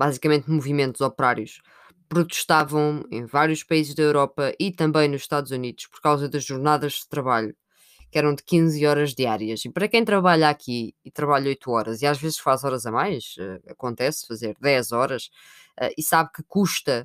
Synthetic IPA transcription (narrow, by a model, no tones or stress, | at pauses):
bazikɐmẽnt̪muvimẽnt̪uz̥ɔpɾaɾjuʃ | pɾut̪ɨ̥ʃt̪avɐ̃w̃ḛ̃j̃vaɾjuʃpɐizʒðɐewɾɔpɐʔit̪ɐ̃mbɐ̃j̃nuzʃt̪aðuzuniðuʃpɔɾkawzɐðɐʒʒuɾnaðɐʒðɨt̪ɾɐβaʎu | kɛɾɐ̃w̃d̪ɨkĩzɔɾɐʒðiaɾiɐʃipɐɾɐkɐ̃j̃t̪ɾɐβaʎakʰiːt̪ɾɐβaʎɐojt̪uɔɾɐziaʒvezʃfazɔɾɐzɐmajʃɛ̰ɐkõnt̪ɛsfɐzeɾðɛzɔɾɐʃ | ɛ̰ʔisaβkɨkuʃt̪ɐ